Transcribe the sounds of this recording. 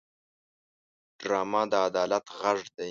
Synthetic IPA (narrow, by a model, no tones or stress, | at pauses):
ɖ̥ɾɑːmad̪əad̪ɑːlat̪ɣaʐd̪e